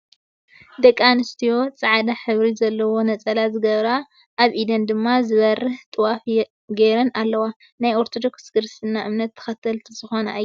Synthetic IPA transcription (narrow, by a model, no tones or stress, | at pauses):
d̪ɐkʼːanɨst̪ʰijo̞t͡sʼaʕd̪aħɨβɾizɐlːɐwo̞nɐt͡sʼɐlazɨɡɐβɾa | ʔːβʔid̪ɐnd̪ɨmːazɨβɐrɨht̪ʼɨwaf | ɡeɾɐnalːɐwa | najo̞ɾt̪ʰod̪o̞ksɡɨɾsɨnːaʔɨmnɐt̪ʰːɐ̥xɐt̪ʰːɐlʰzɨxo̞nɐ̰ʔj